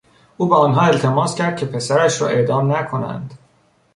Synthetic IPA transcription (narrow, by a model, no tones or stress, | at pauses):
ʔuːbeɒːnɦɒːe̞lt̪ʰemɒːscʰæɾd̪̚cʲʰe̞pʰe̞sæɾæʃɾɒ̰ːʔe̞d̪ɒːmnækʰonæ̰nd̪̥